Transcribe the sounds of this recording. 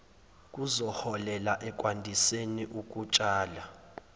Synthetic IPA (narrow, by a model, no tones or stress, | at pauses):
k̬ʼuzɔhɔlɛlaʔɛk̬ʼwandʱiseniʔuk̬ʼut͡ʃʼaːla